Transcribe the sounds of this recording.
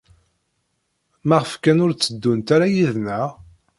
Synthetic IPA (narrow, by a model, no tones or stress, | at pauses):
mæʁəfkænʊɾt͡sːəd̪ːunt̪aɾajiðnæʁ